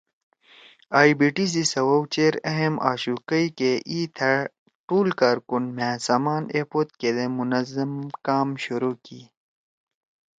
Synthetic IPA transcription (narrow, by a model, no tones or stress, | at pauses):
aːibiːʈis̬isɐwɐwt͡ɕeːɾɐɦemʔa̰ːɕuːkɐjkeʔiːt̪ʰɐ | ʈuːlkaːɾkunmæ̃ːsaːmaːneːpot̪̚ked̪emunɐzɐmkaːmɕuɾuːki